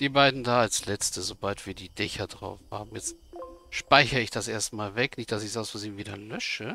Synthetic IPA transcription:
d̥iːbaɪdn̩daːalslɛt͡stəzobaltv̥iːɐdiːdɛçɐdʁa̰ʊfha̰ːb̚m̩jɛt͡stʃpaɪçəɪçd̥asʔeːɐstmaːlvɛknɪçt̚d̥asɪçzaʊsfɔziːviːdɐlœʃə

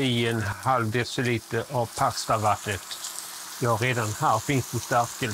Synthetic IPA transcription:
ɪɛnhalvd̪ɛsɪliːt̪əʔavpʰakst̪avat̪nət̪ | jɑɾeːd̪anhæːɾfɪnsd̪ɛst̪æɾkə

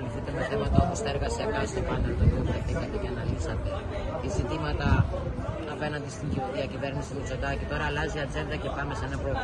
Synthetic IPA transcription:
niθit̪emeθe̞mɐt̪ɐo̞post̪ɐe̞ɾɣɐsiɐkɐst̪opuɐnɐɾt̪onioveθikɐt̪eceɐnɐlisɐt̪e̞ | izit̪imɐt̪ɐ | ɐpe̞nɐnd̪ist̪iɲɟiuðiɐcive̞ɾnisimut͡so̞d̪ɐcit̪o̞ɾɐːlɐziɐd͡ze̞nd̪ɐce̞pɐmesɐnɐpoe

